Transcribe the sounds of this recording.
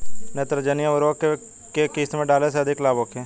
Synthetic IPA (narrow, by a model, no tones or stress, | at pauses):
net̪ɾəd͡ʒɐnijaʋəɾoːke | kekiːsmẽɖaːleseɐd̪ʱɪklaːboːkẽ